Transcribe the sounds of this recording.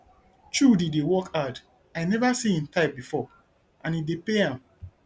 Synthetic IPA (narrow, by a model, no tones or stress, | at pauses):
t͡ʃudidewɔkad | aɪnɛvasiĩntaɪp̚bifɔ | ʔãnidepeãm